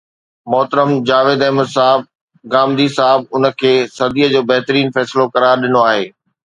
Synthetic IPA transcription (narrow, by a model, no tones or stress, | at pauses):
mɔːt̪ɾəmd͡ʑaːʋeːd̪ɛːməd̪saːɦɪb̚ | ɡãːmd̪isaːɦɪb̚ʊnə̆kʰeːsɐd̪iːəd͡ʑoːbɐɦt̪ɾiːnfɛːsɪlokɐɾaːɾɗɪnoaːɦeː